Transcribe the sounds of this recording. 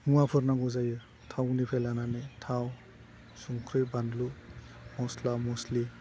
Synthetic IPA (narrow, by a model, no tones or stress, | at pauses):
muapʰɯɾnaŋɡuzajɯ | tʰawɡnipʰelananetʰaw | suŋkʰɾɯbandlu | mɔslamɔsli